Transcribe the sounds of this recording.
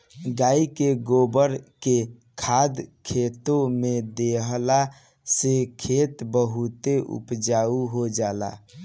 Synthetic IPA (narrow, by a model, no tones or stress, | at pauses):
ɡaikeɡobəɾke | kʰad̪kʰet̪omed̪eɦla | sekʰet̪bəɦut̪eʔṵpd͡ʒauɦod͡ʒala̰